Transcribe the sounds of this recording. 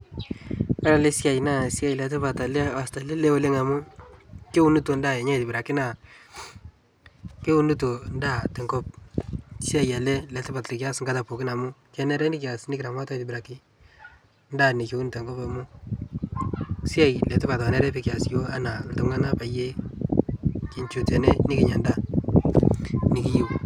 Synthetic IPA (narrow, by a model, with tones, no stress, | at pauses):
a˦ɾa˨le˦sɪ˦a˨jna˦˨sɪ˦a˦jlɛ˨tɪ˦pa˨ta˨lɛ˦a˨sta˨le˦le˦wo˦le˦ŋa˨mʊ˦ki˦u˦nu˦to˨nda˦˨e˨ɲa˦i˨tɪ˨bi˨ɾa˨ki˦na˨ | ke˦u˦nu˦to˨nda˦˨tɛ˨ŋɡɔ˦p̚si˦a˨ja˨le˦lɛ˨tɪ˦pa˨tli˨kja˦sŋɡa˦ta˨po˨kɪ˦na˨mʊ˦kɛ˦nɛ˦ɾɛ˦nɪ˦ka˨sni˦kɪɾa˨ma˦ta˦itɪ˨bɪ˨ɾa˨ki˦ | nda˦˨nɪ˨ki˨u˦ntɛ˨ŋɡɔ˦pa˨mʊ˦ | sɪ˦a˦jlɛ˨tɪ˦pa˨ta˨nɛ˦ɾɛ˦pi˨kja˨sjo˦a˦na˨ltʊ˦ŋa˦na˦pa˨je˦ | ki˨ɲt͡ʃu˨tɛ˨ne˦nɪ˦kɪ˨ɲa˨nda˦ | ni˨ki˦ji˦w